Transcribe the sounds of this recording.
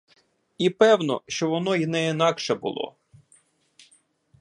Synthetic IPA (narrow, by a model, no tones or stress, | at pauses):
ipɛwnɔ̰ʃt͡ʃɔʋɔnɔinɛinɑkʃɛbʊ̰lˠɔ̰